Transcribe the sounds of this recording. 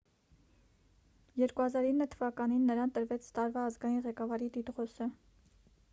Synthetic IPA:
jɛɾkuhɑzɑɾinːət̪ʰəvɑkɑninːəɾɑnt̪əɾvɛt͡sʰt̪ɑɾvɑːzɡɑjinʁɛkɑvɑɾid̪id̪ʁɔsə

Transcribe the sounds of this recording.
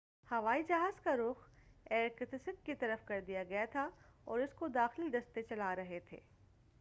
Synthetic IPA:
hɐʋaːid͡ʒɐɦaːzkaɾʊxɛːɾkɪt̪ɪsɪkːit̪ɐɾəfkɐɾd̪ijaɡɐjat̪ʰaɔ̰ːɾɪskod̪aːxɪld̪ɐst̪et͡ʃɐlaɾɐɦet̪ʰḛː

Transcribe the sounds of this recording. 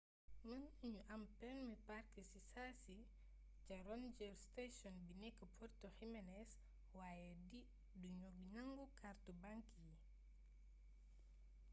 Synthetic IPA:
mənuɲuʔampɛnmipaɾkisisasi | t͡ʃaɾɔnd͡ʒɛɾstesɔnbinɛkːəpʰɔɾtɔximɛnɛs | waːjɛdi | duɲoɡɲaŋɡɔkʰaɾtubaŋkiji

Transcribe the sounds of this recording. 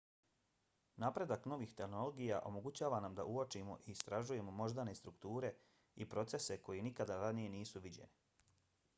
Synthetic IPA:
napɾe̞d̪akno̞ʋixt̪e̞xnoloɡijaʔo̞̰mo̞ɡut͡ɕaːʋanamd̪aʔuot͡ʃimo̞̰ʔiːst̪ɾaʒuje̞mo̞mo̞ʒd̪anest̪ɾukt̪uːɾe̞ | ipɾo̞t̪se̞se̞ko̞jenikad̪aɾanije̞niːsuʋid͡ʑḛni

